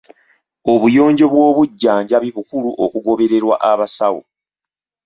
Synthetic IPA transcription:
o̞βujo̞ːɲɟo̞βwo̞ːβuɟːaːɲɟaβiβukuluʔokuɡo̞βe̞ɾe̞ɾwa̰ʔaβasawo̰

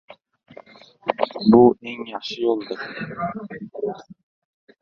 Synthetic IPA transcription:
bʊeŋjɑχʃɪjolˠd̪ɪɾ

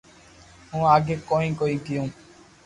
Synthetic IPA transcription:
ɦũːaːɡeːkoːĩːkoːiːkɪjõː

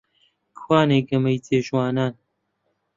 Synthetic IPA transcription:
kwaːneːɡɐmɐjt͡seːʃwaːnaːn

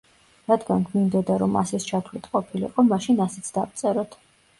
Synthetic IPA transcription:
ɾad̪ɡanɡmind̪ɔd̪aɾɔma̰sɛst͡ʃʰat̪ʰvlit̪ʰqʼɔpʰilḭqʼɔmaʃinasɛt̪sʰd̪avt̪sʼɛɾɔt̪ʰ

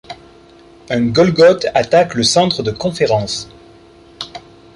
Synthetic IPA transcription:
ɛ̃ɡɔlɡɔt̪at̪akləsɑ̃t̪χəd̪əkɔ̃feʁɑ̃s

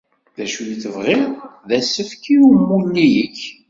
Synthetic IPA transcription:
ðæʃujiθəvʁɪʁðæsəfkiumːunːijəç

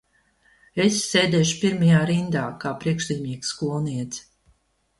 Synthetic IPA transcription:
esːeːd̪ɛːʃu̥piɾmajaːɾind̪aːkaːpɾiɛkʃlʲiːmʲiːkskulˠniɛt̪s

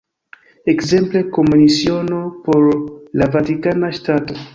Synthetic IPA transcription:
e̞kze̞mple̞ko̞munisio̞no̞po̞ɾlavatikanaʃtato̞

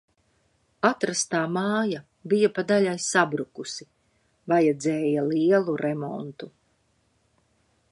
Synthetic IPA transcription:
at̪ɾast̪aːmaːja | bijapad̪aʎajsabɾukusi | vajɛd̪zɛːjaliɛlˠuɾɛmɔnt̪u

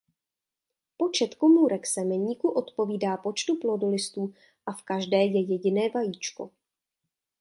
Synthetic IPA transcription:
po̞t͡ʃɛt̪komuːɾɛksɛmɛɲiːkuʔo̞t̪po̞viːdaːpo̞t͡ʃt̪uplodolɪst̪uː | ʔafkaʒdɛːjɛjɛɟɪnɛːvajiːt͡ʃko̞̰

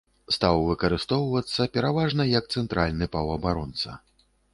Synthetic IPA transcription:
st̪awvɨkɐɾɨst̪ɔwvɐt̪sːɐpʲɛɾavaʐnɐjɐk̚t̪sɛnt̪ɾʔalʲnɨpɐwɐbaɾɔnt̪sɐ̰

